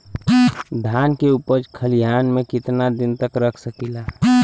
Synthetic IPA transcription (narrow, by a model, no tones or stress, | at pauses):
d̪ʱaːnkeuːpəɾkʰəlijaːnmẽkɪt̪nad̪ɪnt̪əkɾəkʰsəkila